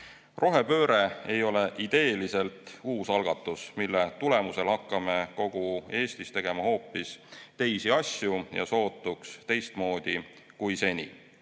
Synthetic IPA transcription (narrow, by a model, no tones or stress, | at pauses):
ro̞ɦe̞pø̞ːɾe̞ejo̞le̞ʔid̪̥e̞ːlise̞lt̪ˑuːsɑlɡ̥ɑt̪ːˑusmilːe̞t̪ule̞muse̞lhɑkːɑme̞ko̞ɡ̥ue̞ːst̪ist̪e̞ɡ̥e̞mɑho̞ːpːist̪e̞jsiɑsʲjujɑ̰so̞ːt̪ˑːukst̪e̞jst̪mo̞ːd̪̥i | kujse̞nʲḭ